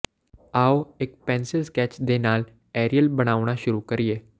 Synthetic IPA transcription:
aːoekpɛ̃ːnsɪlskɛːt͡ʃd̪enaːl | ɛːɾijəlbəɽ̃aːʋɽ̃aʃʊɾukəɾijeː

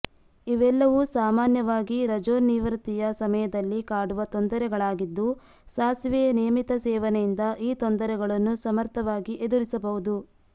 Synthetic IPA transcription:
iʋɛlːɐʋusaːmaːnjɐʋaːɡiɾɐd͡ʒoːɾniːʋɐɾɐt̪ijɐsɐmɐjɐd̪ɐlːikaːɽuʋɐt̪ond̪ɐɾɛɡɐɭaːɡid̪ːu | saːsʋɛjɐnijɐmit̪ɐsɛːʋɐnɛjind̪ɐʔiːt̪ond̪ɐɾɛɡɐɭɐnːusɐmɐɾt̪ʰɐʋaːɡiʔe̞d̪uɾisɐbɐɦud̪u

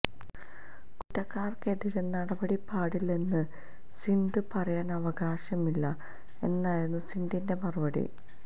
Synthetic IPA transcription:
kuʈːɐkːaːrkeðiɾenːɐɽɐbɐɽipaːɽilnenːɨ | sind̪ɨpɐrɐjaːnɐʋɐɡaːɕɐmilːɐ | e̞nːaːjenːusind̪inde̞mɐrɨbɐɽḭ

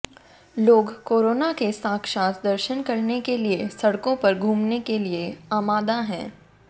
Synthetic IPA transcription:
loːɡkoːɾoːnakesãːkʃãːt̪ʰd̪ɐɾʃənkɐɾnekeliesɐɽkõpɐɾɡʱũːmnekelieaːmaːd̪aɦɛ̃ː

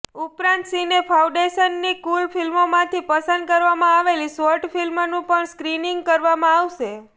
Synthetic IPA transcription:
upɾãnt̪sinepʰaũɖeʃənːikulfilmomãt̪ʰipəsənd̪̚kəɾʋamãaʋelisʋəɾʈfilmnũpəɳskɾiniŋɡ̚kəɾʋamãaʋʃe

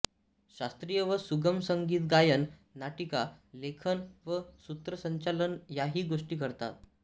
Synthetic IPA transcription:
ɕast̪ɾijəʋəsuɡəmsəŋɡiːt̪ɡajənnaʈikalekʰənʋəsut̪ɾəsəɲt͡ɕalənjaɦiːɡoʂʈiːkəɾt̪a̰t̪̚

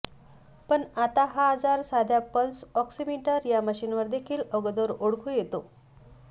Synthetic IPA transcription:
pəɳat̪aɦaəd͡zaɾsad̪ʱjapəlsɔksimiʈəɾjaməɕiːnʋəɾd̪ekʰiːləɡd̪oɾoɽkʰuːjet̪o

